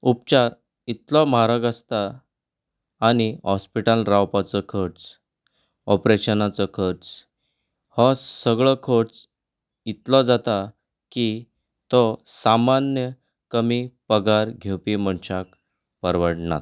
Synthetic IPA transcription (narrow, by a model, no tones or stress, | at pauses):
upt͡ɕaɾ | it̪lɔməɦaɾaɡəst̪a | ɽ̃iɦɔspiʈalɾawpat͡səkʰəɾt͡s | ɔpɾeɕənat͡sɔkʰəɾt͡s | hɔsəɡɭɔkʰoɽt͡s | it̪lɔd͡zat̪a | ki | t̪ɔsamanjə | kəmipəɡaɾɡʱewpiməɳɕak | pəɾʋəɽɳa̰t̪